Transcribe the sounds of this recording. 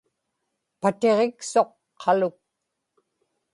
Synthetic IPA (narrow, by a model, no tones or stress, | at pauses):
pat̪e̞ʁekso̞qʰː | ɑlʊk̚